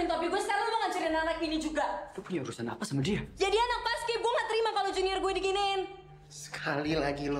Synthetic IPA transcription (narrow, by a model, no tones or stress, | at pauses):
nt̪apiɡuɛskaɾumaŋaɲt͡ʃaɾananak̚inid͡ʒuɡalupuɲauɾusana̰pasamadiad͡ʒadianaŋ̚paskɪɡuaŋaʔt̪əɾimakalod͡ʒuniarɡuɛdikinɪn | sə̥kʰalilaɡilo